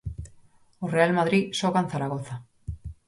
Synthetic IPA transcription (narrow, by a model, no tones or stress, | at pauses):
orealmaðɾisoɣanθaɾaɣ̞oθa